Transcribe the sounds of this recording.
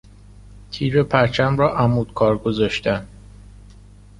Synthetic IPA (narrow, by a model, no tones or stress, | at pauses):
t̪ʰiːɾepʰæɾt͡ʃʰæmɾɒːʔæmuːd̪̥kʰɒːɾɡozɒːʃt̪æn